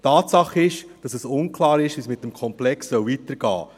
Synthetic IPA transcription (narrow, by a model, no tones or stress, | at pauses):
tɑːtsɑχɪʃd̥ɑsɛsʊnkʰlɑːɾɪʃʋiːsmɪt̚ːəmkʰɔmplɛksːœwvitəɾɡ̥ɑ̰ː